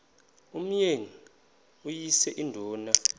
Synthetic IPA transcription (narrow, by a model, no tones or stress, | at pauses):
um̩jeŋi | ujisɛʔindʱɔːna